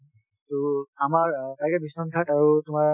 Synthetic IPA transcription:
tuamaɹtajkɛbisɔntʰataɹutʊmaɹ

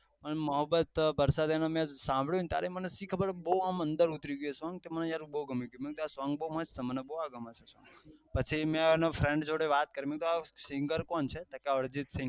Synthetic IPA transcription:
pəɳməɦəbːət̪bəɾsad̪enomɛ̃sãmbʱɭjũnt̪ja̰ɾemənesikʰːəbəɾbəuamə̃nd̪əɾut̪ɾiɡesʋãŋɡt̪eməned͡ʒaɾubəuɡəmiɡjũmek̚d̪uasʋãŋɡbəumə̃t͡ʃt̪emənɛbouaɡəmat͡ʃʰesã̰ŋpət͡ʃʰimɛ̃nofɾẽɳɖd͡ʒoɽeʋat̪̚kəɾimek̚t̪uasɪ̃ŋɡəɾkɔnt͡ʃʰet̪akeəɽd͡ʒit̪sɪ̃ŋɡ

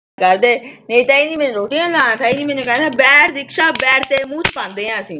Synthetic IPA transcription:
kəɾd̪eːneːt̪aːiniːmɛːnẽɾoːʈiːãːnãːt̪aːiːnĩːmɛ̃ːnẽkaãːbɛːɾɾɪkʃaːbɛːɾt̪eːmũːt͡ʃpãːnd̪eːɦãːəsĩː

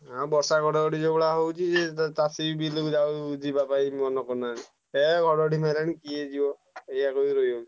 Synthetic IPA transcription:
ɦãbɔsaɡɔɽɔɔɽid͡ʒɔbɔɽaɦowt͡ʃʰietasibilud͡ʒawud͡ʒibapaimɔnɔkɔnaɾi | eɡʱɔɽɔɽʱimalanikied͡ʒibɔ | ejakoiɾojowt͡ʃʰi

